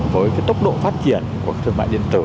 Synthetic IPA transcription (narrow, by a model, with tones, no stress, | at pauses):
vəː˨˦jkaː˨˦jt̪ə˦˥wk͡p̚ɗo̰˧˨faː˦˥t̚t͡ɕi˧˩ənku˧˩ə˦kt̪ʰɨ˧əma̰˧˨ɗḭ˧˨ənt̪ɨ˧˩